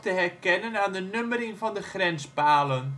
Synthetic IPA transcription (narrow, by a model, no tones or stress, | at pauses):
təɦɛrkɛnənaːndənɵməɾɪŋfɔndəχrɛnspaːlən